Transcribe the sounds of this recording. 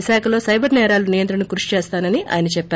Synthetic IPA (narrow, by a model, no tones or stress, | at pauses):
iʃaːkʰɐlo̞ːsɐjbɐɾnɛːɾaːlunijɐnt̪ɾɐɳɐkuɾuʃi̥t͡ʃeːst̪aːnɐniʔa̰ːjɐnɐt͡ʃɛpːaː